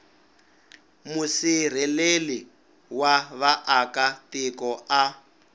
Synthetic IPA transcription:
musir̤ɛleli | waβaʔakatɪkɔa

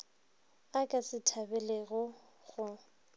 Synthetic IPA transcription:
akʼasɪtʰabɛlɛɣɔ | ɣʊ

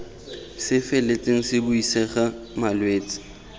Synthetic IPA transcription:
sɪfɛlet͡sʼeŋ̩sɪbʊisɛχa | malweːt͡sʼɪ̥

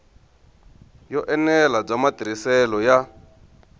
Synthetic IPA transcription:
jɔʔɛnɛlab͡ʐamatiɾisɛlɔja

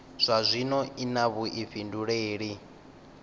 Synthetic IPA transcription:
z̥ʷazʷinɔʔinaβuʔiɸinduɺeːɺi

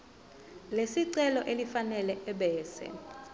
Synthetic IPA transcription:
lesiǀɛlɔʔelifanɛlɛɛɓɛːsɛ̰

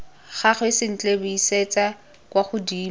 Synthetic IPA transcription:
χaχwesɪn̩t͡ɬʼebʊiset͡sa | kwaχʊdiː

